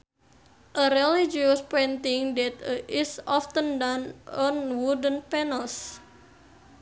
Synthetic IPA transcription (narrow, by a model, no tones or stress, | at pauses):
ʔəɾelid͡ʒiuspɛnt̪iŋdɛt̪əʔisɔft̪əndanɔnwudənpɛnəls